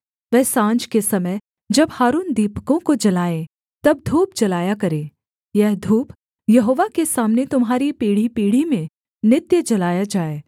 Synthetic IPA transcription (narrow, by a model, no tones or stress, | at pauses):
ʋɛːsãːnd͡ʒkesɐməj | d͡ʒɐbhaːɾuːnd̪iːpkõkod͡ʒɐlaːẽ | t̪ɐb̚d̪ʱuːp̚d͡ʒɐlaːjakɐɾẽː | jɛɦd̪ʱuːp | jɐɦoːʋakesaːmnet̪ʊmɦaːɾipiːɽ̤ipiːɽ̤imẽ | nɪt̪jəd͡ʒɐlaːjad͡ʒaːeː